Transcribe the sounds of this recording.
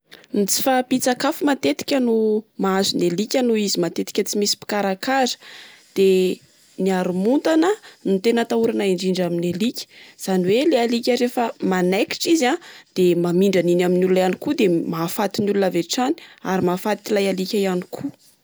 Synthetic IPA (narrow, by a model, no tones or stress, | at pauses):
nit͡si̥fapit͡sakafumat̪et̪i̥kʲənumaazunelikʲənuizimat̪et̪i̥kʲət͡simisi̥pi̥kaɾakazə̥d̪̥e | niaɾumunt̪anənut̪enət̪auɾanaiɳɖ͡ʐiɳɖ͡ʐaminelikʲə̥z̥aniwelealikʲəɾefəmanaki̥ʈ͡ʂizad̪̥emamiɳɖ͡ʐəninaminulunajanikud̪emafat̪inulunaveʈ͡ʂani̥aɾimafat̪ilajalikʲaijanikʰu